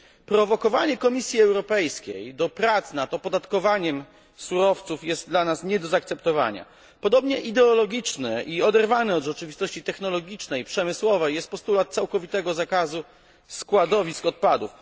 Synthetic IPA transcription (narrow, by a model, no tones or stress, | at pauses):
pɾɔvɔkɔvaɲɛkɔmʲisʲjiɛwɾɔpɛjskʲḛjd̪ɔpɾat̪snat̪ɔpɔd̪at̪kɔvaɲɛm | suɾɔft̪sufjɛst̪̚d̪lanasɲɛd̪ɔzak̚t̪sɛpt̪ɔva̰ɲa̰ | pɔd̪ɔbɲɛʔid̪ɛɔlɔɡʲit͡ʂnɘʔiɔd̪ɛɾvanɘɔd̪ʐɛt͡ʂɘvʲist̪ɔɕt͡ɕit̪ɛxnɔlɔɡʲit͡ʂnɛjpʂɛmɘswɔvɛjɛst̪̚pɔst̪ulat̪̚t̪sawkɔvʲit̪ɛɡɔzakazu | skwad̪ɔvʲiskɔt̪̚pad̪uf